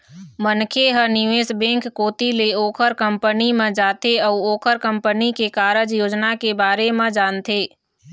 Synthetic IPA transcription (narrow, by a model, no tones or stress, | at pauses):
mənkʰeɦənɪʋeːsbɛ̃ːŋkːoːt̪ileoːkʰəɾkə̃mpənimẽd͡ʒaːt̪eɔːoːkʰəɾkə̃mpənikekaːɾəd͡ʒjoːd͡ʒnakebaːɾemẽd͡ʒaːnt̪ʰeː